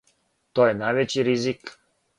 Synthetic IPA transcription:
t̪ojɛnajʋɛt͡ɕiɾizik

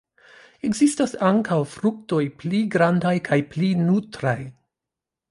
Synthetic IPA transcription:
e̞ɡzistasaŋkawfɾuk̚to̞jpliɡɾandajkʰajplinutɾaj

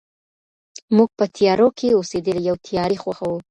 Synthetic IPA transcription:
muɡ̚pət̪ʰijɑɾokʰeosed̪əlijawt̪ʰijɑɾixwaxawu

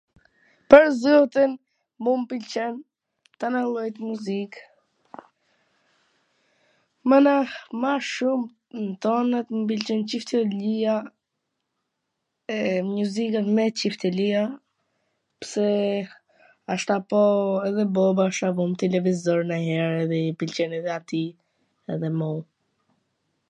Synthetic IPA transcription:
pəɾzɔt̪in | mumpilt͡ʃɛn | t̪analˠɔjt̪muzik | mənamaʃum | nt̪ɔnət̪mpilt͡ʃɛnt͡ʃift̪əlia | ɛmuzikamɛt͡ʃift̪ɛlia | psɛ | aʃt̪apɔɛðɛbɔbaʃt̪avɔmt̪ɛlɛvizɔɾnaɦɛɾɛðɛipilt͡ʃɛnɛðɛat̪i | ɛðɛmɔu

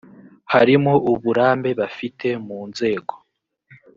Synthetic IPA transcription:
haɾimoʔuβuɾaːmbe̞βafitʰe̞muːnze̞ːɡo̞

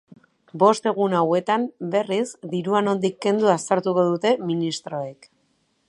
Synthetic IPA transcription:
bo̞st̪e̞ɣ̞unawe̞t̪ambe̞rizd̪iɾuano̞nd̪ikːe̞nd̪uasaɾt̪uko̞ð̞ut̪e̞minist̪ɾo̞ek

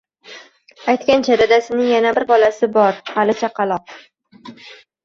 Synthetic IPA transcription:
ajt̪kʲant͡ʃʰad̪ad̪asɪnɪŋjanabɪɾbɒlasɪbɒɾhalɪt͡ʃʰaqʰɑlˠɒp̚

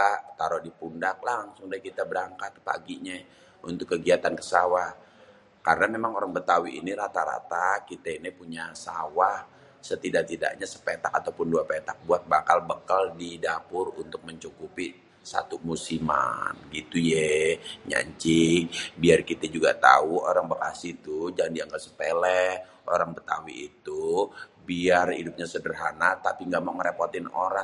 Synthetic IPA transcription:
at̪aɾɔhdipundak̚laŋsʊŋdaikit̪abəɾaŋkat̪̚pa̰ɡiɲa | unt̪ʊkːəɡiat̪ankə̥sawah | kaɾənamemaŋoɾaŋbət̪awiʔiniɾat̪aɾa̰t̪akit̪ainipuɲasawah | sət̪idaʔ̚t̪ida̰ʔɲasə̥pet̪akat̪awpʊnduapet̪ak̚buat̪̚bakalbəkaldidapʊrunt̪ʊk̚məɲt͡ʃukupi | sa̰t̪umusima̰nɡit̪ujɛɲa̰ɲt͡ʃɪŋbiarkit̪ɛd͡ʒuɡa̰t̪a̰uoɾaŋbakasit̪ud͡ʒaŋandiaŋɡalsə̥pelɛh | ʔoɾaŋpət̪awḭːt̪ubiaridʊp̚ɲasədərɦanat̪apiŋɡaʔmawŋəɾeport̪ɪno̰ɾaŋ

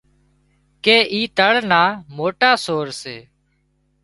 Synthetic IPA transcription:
keːʔiːt̪əɭnaːmoːʈaːsoːɾseː

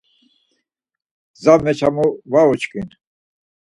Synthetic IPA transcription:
zamɛt͡ʃʰamuvaɔt͡ʃkʼin

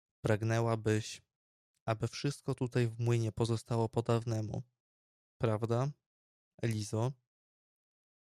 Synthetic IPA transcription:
pɾaɡnɛwabɘɕ | abɘfʂɘst̪̚kɔt̪ut̪ajvmwɘɲɛpɔzɔst̪awɔpɔd̪avnɛmṵ | pɾavd̪a | ɛlʲizɔ

